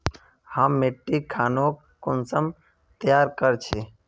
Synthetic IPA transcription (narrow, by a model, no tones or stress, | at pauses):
hamːeːʈːikʰaːnoːk | kʊnsəm | t̪əjaːɾkəɾt͡ʃʰeː